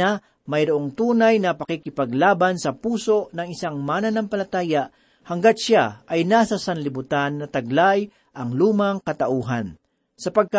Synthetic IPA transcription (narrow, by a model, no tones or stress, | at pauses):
a | mɐjɾʊʔo̞ŋt̪uːnajnɐpɐkikɪpɐɡlaːbansɐpuːso̞ʔnɐŋɪsaŋmaːnɐnɐŋpɐlɐt̪aːjaʔ | hɐŋɡat̪̚ʃaʔajnasɐsɐnlɪbʊt̪anːɐt̪ɐɡ̚laj | ʔɐŋluːmɐŋkɐt̪ɐʔuːɦan | sɐpɐɡ̚ka